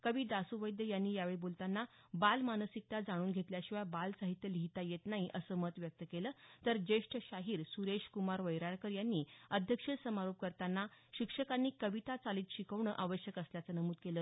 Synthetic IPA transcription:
kəʋiːd̪asuʋəjd̪jəjanːiːjaʋeɭibolt̪anːa | balmanəsik̚t̪ad͡zaɽ̃uːnɡʱet̪ljaɕiʋabalsaɦit̪jəliɦit̪ajet̪naɦiʔəsəmət̪ʋjək̚t̪əkelət̪əɾd͡ʑeʂʈʰəɕaɦiːɾsuɾeɕkumaɾʋəjɾaɭkəɾjanːiːəd̪ʱjəkʂəsəmaɾop̚kəɾt̪anːaɕikʂəkanːiːkəʋit̪at͡saliːt̪ɕikəʋɳə̰ʔaʋəɕjəkəsljat͡sənəmuːd̪̚keləː

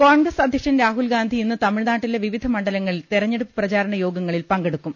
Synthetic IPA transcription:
koːɳɡrɐsɐd̪ʱjɐʂɐnɾaːɦulɡaːnd̪ʱiinːɨt̪ɐmiɻnaːʈːileʋiʋid̪ʱɐmɐɳɖɐlɐŋːɐɭilt̪iɾɐɲːe̞ɽupːɨ̥prɐt͡ɕaːɾɐɳɐjo̞ːɡɐŋːɐɭilpɐŋɡeɽukːum

